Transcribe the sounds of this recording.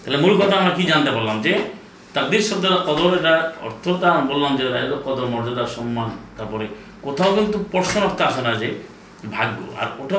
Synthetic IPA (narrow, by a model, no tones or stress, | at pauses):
t̪aelemulkɔt̪ʰaamɾakid͡ʒant̪epaɾlamd͡ʒe | t̪aɾ̚d̪iɾsɔd̪ɔɾakɔd̪ɔɾeʈaɔ̰ɾt̪ʰɔt̪abolːamd͡ʒeɾaɾɔkɔd̪ɔɾmɔɾd͡ʒɔɾasɔmːant̪aɾpɔɾe | kot̪ʰaokint̪upɔɾsɔnɔɾt̪ʰɔasɔnad͡ʒe | bʱaɡo̰a̰ɾoʈʰa